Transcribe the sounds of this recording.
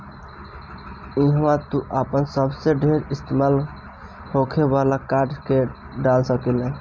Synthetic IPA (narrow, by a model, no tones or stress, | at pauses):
iɦat̪uʔapənsəbseɖʱeɾist̪emal | hokʰebalakaɾɖke | ɖalsəkilẽ